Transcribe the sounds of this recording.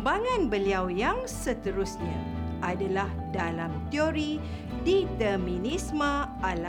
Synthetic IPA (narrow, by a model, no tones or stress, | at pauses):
baŋãnbəliawjaŋsət̪əɾʊsɲãʔadalahdalamt̪ioɾi | dit̪əmĩnĩsmə̃ʔala